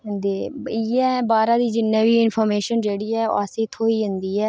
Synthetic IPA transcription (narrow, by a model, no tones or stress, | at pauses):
d̪eːiːɛ̃ːbaːɾãːd̪iːd͡ʒɪnːɛ̃ːbiːɪnpʰɔːɾmeːʃənd͡ʒeːɽiːɛːo̰aːseːt̪ʰoːiːɦʊ̃nd̪iːɛː